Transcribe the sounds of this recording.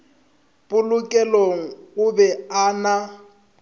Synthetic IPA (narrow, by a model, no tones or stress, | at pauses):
pʼʊlʊkʼɛloŋ̩ʊbɛana